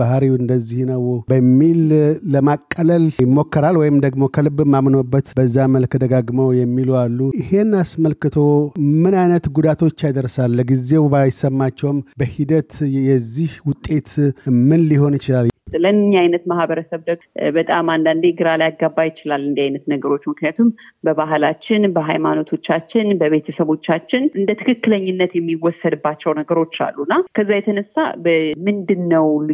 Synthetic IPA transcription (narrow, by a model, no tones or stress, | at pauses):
baɦɾiɨnd̪əzːihnəwbəmːilːəmakʼːələljɪmːo̞kːəɾalwɔjɪmd̪əɡmo̞kʰəlɨbːɨmːamno̞bːət̪bəzːaməlkd̪əɡaɡmowjɛmːilualːuɪhe̞nːasməlkɨt̪ʰo̞mɨnajnət̪ɡud̪at̪ʰo̞t͡ʃːajd̪əɾsalːəɡize̞wbajɪsəmːat͡ʃːɛwmbəhid̪ət̪jɛzːihwʊt̪ʼːe̞t̪mɨnliho̞nɪt͡ʃɪlallənɲːajnət̪mahbəɾəsəβd̪əɡbət̪ʼamand̪and̪eɡɨɾalajaɡːabːajɪt͡ʃɪlalːɨnd̪iajnət̪nəɡəɾo̞t͡ʃːmɨknijat̪ʰumbəβaɦlat͡ʃːɪnbəɦajmano̞t̪ʰo̞t͡ʃːat͡ʃːɪnbəβe̞t̪ʰəsəβo̞t͡ʃːat͡ʃːɪnʔɨnd̪ət̪ʰɨkɨkːɨləɲːɪnːət̪jɛmːiwɔsəd̪ɨbːat͡ʃːɛwnəɡəɾo̞t͡ʃːa̰lːunːakʰəzːajɛt̪ʰənəsːa̰bəmɨnd̪ɨnːəwl